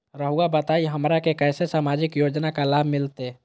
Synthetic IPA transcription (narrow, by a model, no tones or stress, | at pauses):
ɾəɦuabət̪aːiɦəmɾakekɛːsesaːmaːd͡ʒɪkjoːd͡ʒnakalaːbʱmɪlt̪e